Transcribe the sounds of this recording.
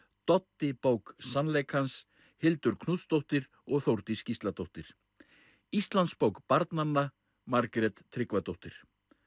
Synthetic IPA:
t̪ɔt̪ːɪpowksanlejkhans | hɪlt̪ʏɾkʰnuːt̪st̪owht̪ɪɾ | ɔɣθowɾt̪ɪscist̪lat̪owht̪ɪɾ̥ | ist̪lant̪spowkpaɾt̪nanːa | maɾkɾɛt̪ʰːɾɪkvat̪owht̪ɪɾ̥

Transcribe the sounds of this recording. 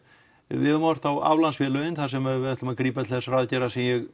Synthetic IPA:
vɪðʏmɔɾ̥θawa̰wlansfɛːlʏɪnθasɛmɛðvɪɛht̪lʏmakɾiːpat̪ʰɪlθɛsaraðcɛɾasɛmjɛɣ

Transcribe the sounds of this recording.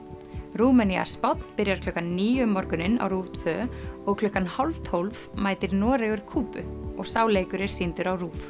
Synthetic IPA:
ruːmania̰spɔt̪n̥pɪɾjaɾ̥kʰlœːkːanːiːjʏmːɔɾkʏnɪnːa̰wruːft̪ʰvœːɔɣkʰlʏhkanhawlvt̪ʰowlvmaːjt̪ɪɾnɔːɾɛɣʏɾ̥kʰuːpʏɔɣsaːwleːjkʏɾɪɾ̥sint̪ʏɾawruːf

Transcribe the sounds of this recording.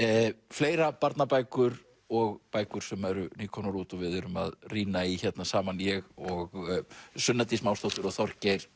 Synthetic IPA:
fleːjɾapaɾt̪napajkʏɾ | ɔɣpaːjkʏɾ̥sɛmɛɾʏniːkʰɔnɔɾuːt̪ɔvɪðɛɾʏma̰ðriːnaiçɛt̪nasaːmanjɛɣɔɣsʏnːat̪ismaːwst̪owht̪ʏɾɔɣθɔɾ̥cejɾ̥

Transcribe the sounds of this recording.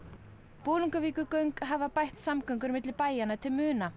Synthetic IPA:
poːluŋkaviːkʏkœɥŋkɦavapajht̪samkœɥŋkʏɾmɪt̪lɪpaːjanat̪ʰɪlmʏːna

